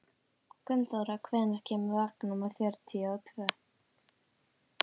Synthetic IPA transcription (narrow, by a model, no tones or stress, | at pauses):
kʏnt̪awɾakʰvɛːðnaɾ̥cʰɛːmʏvaːknumaθjœɾt̪ʰiawt̪ʰvœː